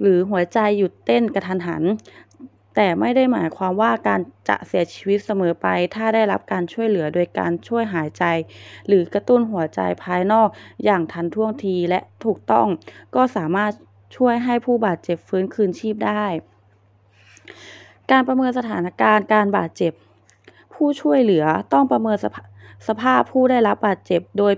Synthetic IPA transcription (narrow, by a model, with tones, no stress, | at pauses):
lɯː˩˦ɦu˨˩˦ɐt͡ɕa˧jːu˨˩t̪ːe˥˩nka˧t̪ʰa˧nɦa̰˩˦n | t̪ɛː˨˩ma˥˩jda˥˩jmaː˩˦jkʰwaː˧mwaː˥˩kaː˧nt͡ɕa̰˧˩ʔsi˨˩˦ɐt͡ɕʰi̥ː˧wi˧˦˥t̪̚sa˧mɤː˨˦pa˧jt̪ʰaː˥˩da˥˩jla˦˥p̚kaː˧nt͡ɕʰu˥˩əjlɯ˩˦ɐdoː˧jka̰ː˧nt͡ɕʰu˥˩əjɦaː˨˩˦jt͡ɕa˧jlɯː˩˦ka˧t̪u˥˩nɦu˨˩˦ɐt͡ɕa̰˧jpʰaː˧jnɔː˥˩k̚jaː˨˩ŋt̪ʰa˧nt̪ʰu˥˩əŋt̪ʰiː˧lɛ̰˧˥ʔt̪ʰuː˨˩k̚t̪ɔ̰˥˩ŋkɔː˥˩saː˩˦maː˥˩t̪̚ | t͡ɕʰu˥˩əjɦa˥˩jpʰuː˥˩baː˨˩t̪̚t͡ɕe˨˩p̚fɯː˨˦˥nkʰɯː˧nt͡ɕʰiː˥˩p̚daː˥˩j | kaː˧npa˧mɤː˧nsa˧t̪ʰaː˩˦nʔa˧˩kaː˧nkaː˧nbaː˨˩t̪̚t͡ɕe˨˩p̚ʰː | uː˥˩t͡ɕʰu˥˩əjlɯ˩˦ɐt̪ɔ˥˩ŋpɾa˧mɤː˧nsa˧pʰaː˥˩pʰuː˥˩da˥˩jla˦˥p̚baː˨˩t̪̚t͡ɕe˨˩p̚doː˧j